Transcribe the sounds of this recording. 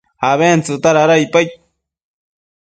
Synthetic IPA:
haβent͡sut̪aɾaɾajpaj

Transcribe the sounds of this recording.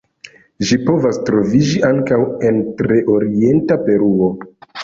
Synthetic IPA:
ʒipo̞vastɾo̞vid͡ʒiʔaŋkawe̞ntɾe̞ʔo̞ɾie̞ntape̞ɾuo̞

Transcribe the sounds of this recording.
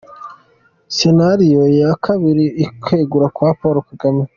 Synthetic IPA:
senaɾijojakʰaβiɾiikʰeːɡuɾakwapoːɾokaɡami

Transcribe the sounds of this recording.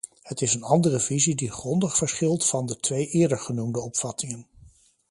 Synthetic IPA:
hətɪsənɑndərəvizidiχrɔndəχfəɹsχɪlˠtfɑndətʋejʔɪːɹdəɹχənumdəɔpfɑtɪŋən

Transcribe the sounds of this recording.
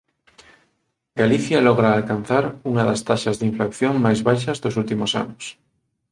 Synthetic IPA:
ɡaliθjalɔɣɾaːlkan̟θaɾuŋaðast̪aʃazðiɱflakθjoŋmajzβajʃazðosult̪imosa̰nos

